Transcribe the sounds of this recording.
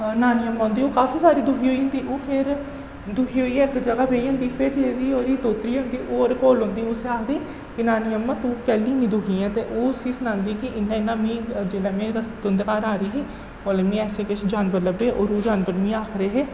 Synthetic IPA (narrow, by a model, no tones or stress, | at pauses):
naːnɪjəmːãːnd̪iːoːkaːfiːsaːɾiːd̪ʊkʰiːɦoːiːɦʊ̃nd̪iːʔoːpʰɪɾ | d̪ʊkʰiːɦoːiːɛːɪkd͡ʒəɡaːbeːiɦõːnd̪iːpʰɪɾd͡ʒeːɾiːoːɾiːt̪oːt̪ɾiːɦõːnd̪iːʔoːɾkoːlɦõːnd̪iːoːseaːkʰd̪iː | kɪnaːnɪjəmːãːt̪uːkɛːliːniːd̪ʊkʰĩːɛ̃ːt̪eːʔoːsiːsənãːnd̪iːkɪʔɪnːãːɪnːãːmĩːd͡ʒeːlaːmẽːɾəsd̪ə̃nd̪kaːɾaːɾiːɦeː | oːlemĩːɛːseːkɪʃd͡ʒaːnbəɾləbeːʔoːɾoːd͡ʒaːnbəɾmĩːaːkʰɾeːɦeː